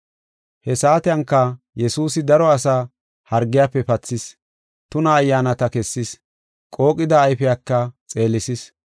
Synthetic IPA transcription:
hɛsaːt̪ɪjɐŋkːɐ | jɛsuːsɪd̪ɐɾɔɐsaː | hɐɾɡːɪjaːpːɛpɐt͡sːɪs | t̪ʊnɐːjːaːnɐt̪ɐkɛsːɪs | kʼo̞ːkʼɪd̪ɐːjfɪjakːɐt͡sʼe̞ːlɪsɪs

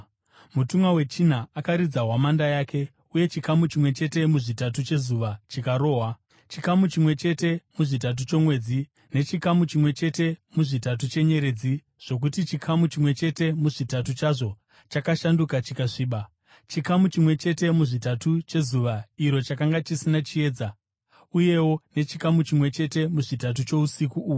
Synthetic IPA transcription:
mutumwawe̞t͡ʃin̤aakaɾid͡zaɦwamandajaːkʰe̞ | uje̞t͡ʃikamut͡ʃimwe̞t͡ʃe̞te̞muʐitat̬ut͡ʃe̞zuʋat͡ʃikaɾo̞ːɦwa | t͡ʃikamut͡ʃimwe̞t͡ʃe̞te̞muʐitat̬ut͡ʃo̞mwe̞ːd͡zi | ne̞t͡ʃikamut͡ʃimwe̞t͡ʃe̞te̞muʐitat̬ut͡ʃe̞ɲe̞ɾe̞d͡zi | ʐ̥o̞k̬utit͡ʃikʰamut͡ʃimwe̞t͡ʃe̞te̞muʐitatut͡ʃaʐo̞ | t͡ʃakaʃandukat͡ʃikaʂiːɓa | t͡ʃikamut͡ʃimwe̞t͡ʃe̞te̞muʐitatut͡ʃe̞zuʋaiɾo̞t͡ʃakaŋɡat͡ʃisinat͡ʃie̞ːd͡za | uje̞wo̞ne̞t͡ʃikamut͡ʃimwe̞t͡ʃe̞te̞muʐitat̬ut͡ʃo̞usikuːu

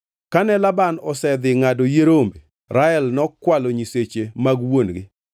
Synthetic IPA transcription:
kanɛlabanɔsɛd̪ɪŋadojeɾombe | ɾaɛlnɔkwaloɲiset͡ʃemaɡwonɡɪ

